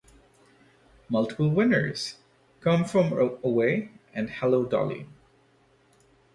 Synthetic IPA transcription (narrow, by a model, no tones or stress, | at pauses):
mʌlˠtə̥pl̩ˠwɪ̃nə̰˞z̥ | kʰʌ̃mfɹʌ̃məweɪɨ̃nhɛloʊdɑ̰lˠḭ